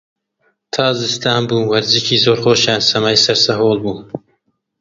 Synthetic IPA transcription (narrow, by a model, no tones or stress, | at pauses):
t̪ʰɑːzɨst̪ʰɑːnbuːwɐɾzicʰiːzoːɾxoːʃaːnsɐmaːjsɐɾsɐɦoːlˠbuːn